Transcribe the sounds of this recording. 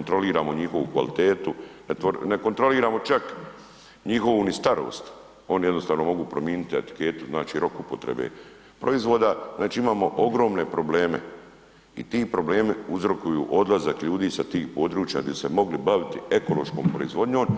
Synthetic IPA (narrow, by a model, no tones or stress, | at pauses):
ont̪ɾo̞liːɾaːmo̞ɲixo̞ʋukʋa̰lit̪e̞ːt̪unet̪ʋoneko̞nt̪ɾo̞liːɾaːmo̞t͡ʃak | ɲixo̞ʋunist̪aɾo̰ːst̪ | o̞nijed̪nost̪aːʋno̞mo̞ɡuːpɾomjiːnit̪iet̪i̥ke̞ːt̪uznaːt͡ʃiːɾo̞kupo̞t̪ɾḛbḛ | pɾʔo̞izʋo̞d̪aznaːt͡ʃiːimaːmo̞ʔo̞ɡɾo̞ːmne̞pɾo̞ble̞ːme̞̰ | ḭt̪iːpɾo̞ble̞ːmiuzɾo̞kujṵːʔo̞d̪lazakʎuːd̪iːsat̪iːxpo̞ːd̪ɾuːt͡ʃja̰d̪aise̞mo̞ɡlibaʋit̪ie̞ko̞lo̞ʃko̞ːmpɾo̞̰izʋo̞d̪ɲo̞ːm